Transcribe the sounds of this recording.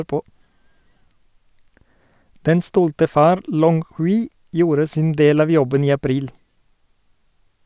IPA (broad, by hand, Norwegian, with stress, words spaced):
ˈdɛn ˈstɔltə ˈfɑːɾ ˈlɔŋ ˈhʉːɪ ˈjuːɾə ˈsɪn ˈdeːl ˈɑːʋ ˈjɔbən ˈiː ɑˈpɾiːl